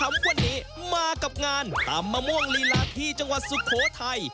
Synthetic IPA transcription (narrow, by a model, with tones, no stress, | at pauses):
a˦˥mkʰa˧˨nːiː˦˥ | maː˧ka˨˩p̚ŋaː˧nt̪a̰ː˨mːaː˧mu˥˩əŋli˧laː˧˥t̪ʰiː˧˩t͡ɕa˧ŋwa˨˩t̪̚su˨˩kʰːoː˨˦t̪ʰa˧j